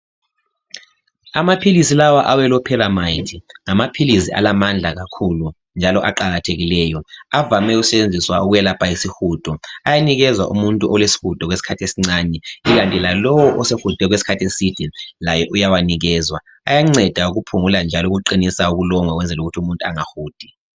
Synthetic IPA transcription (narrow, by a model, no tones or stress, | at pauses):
amapʰilisilawaʔawɛlɔpʰɛlamaitʰiŋamapʰilisiʔa̰lamand͡ɮʱaɣakʰulu | nd͡ʒʱalɔʔaǃaɣatʰeɣilɛːjɔavamɛusɛt͡ʃend͡zʱiswauɣujɛlapʰajisixuːd̥ʱʼɔajaniɣɛzwa̰ʔṵmuntʼuʔɔlwesi̥xud̥ʱɔkɣwesi̥kʰatʰesiŋ͡ǀanɛiɣantʼilalɔwɔʔɔsexud̥ʱɛɣwesi̥kʰatʰesid̥ilajɔʔujawaniɣɛːzwa | ajaŋ͡ǀɛd̥ʱauɣupʰuŋuland͡ʒʱalɔuɣuǃinisauɣulɔŋwaɣwɛnd͡zʱɛluɣutʰiumuntʼuaŋaxuːd̥ʱi